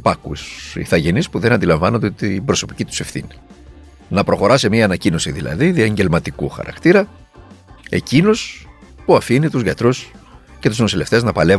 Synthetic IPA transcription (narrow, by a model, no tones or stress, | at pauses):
pɐkṵsḭθɐʝe̞nispuðenɐnd̪ilɐɱvɐno̞nd̪et̪ibɾo̞so̞pi̥cit̪u̥se̞fθḭni | nɐpɾo̞xo̞ɾɐse̞miɐːnɐcino̞siðilɐ̰ðiðiɐɲɟe̞lmɐt̪ikuxɐ̰ɾɐ̰kt̪iɾɐ | e̞cino̞s | puɐfinit̪uzʝɐt̪ɾus | ce̞t̪uznosile̞ft̪e̞znɐpɐle̞